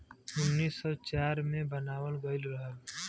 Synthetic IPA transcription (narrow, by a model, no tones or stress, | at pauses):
ʊnːiːsːɔːt͡ʃaːɾmẽbənaːwəlɡəɪlɾəɦəl